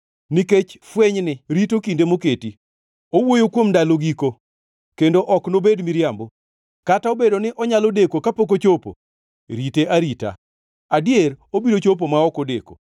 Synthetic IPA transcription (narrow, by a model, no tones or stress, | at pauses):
niket͡ʃfweɲnɪɾitokindemoketi | owojokwomndaloɡiko | kendoʔɔknobedmiɾjambo | kataobedonɪʔɔɲalodekokapok̬ot͡ʃopo̰ | ɾiteʔaɾita̰ | adjeɾobidot͡ʃop̬omaɔkodḛko̰